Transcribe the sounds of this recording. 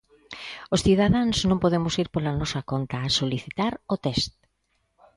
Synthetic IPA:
osθiðaðaŋznõmpoðemʊsiɾpolanɔsɐkont̪ɐːsoliθit̪aɾot̪ɛst̪̚

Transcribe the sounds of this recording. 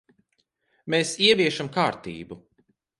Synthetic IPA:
meːsiɛviɛʃamkaːɾt̪ḭːbu

